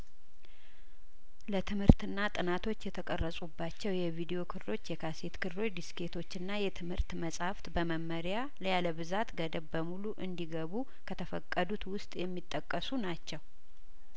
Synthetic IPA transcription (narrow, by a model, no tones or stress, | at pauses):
lət̪ʰɨmhɨɾt̪ɨnːat̪ʼɨnat̪ʰo̞t͡ʃːjɛt̪ʰəkʼərːəsʼubːat͡ʃːɛwjɛvid̪ijo̞kʰɨɾlo̞t͡ʃːjɛkʰase̞t̪kʰɨɾlo̞t͡ʃd̪iske̞t̪ʰo̞t͡ʃːɨnːajɛt̪ʰɨmhɨɾt̪məsʼhaft̪bəməmːəɾja | ləjaləβɨzat̪ɡəd̪əbbəmuluʔɨnd̪iɡəβu | kʰət̪ʰəfəkʼːəd̪ut̪wʊst̪ʼjɛmːit̪ʼːəkʼːəsunat͡ʃːɛw